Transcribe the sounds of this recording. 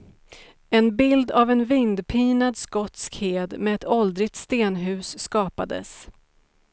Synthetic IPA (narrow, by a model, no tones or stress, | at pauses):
ɛnbɪld̪avɛnvɪnd̪pʰiːnad̪skɔt̪skheːd̪mɛɛt̪ʰɔld̪ɾɪt̪st̪eːnɦʉ̟ːsːkɑːpad̪ə̰s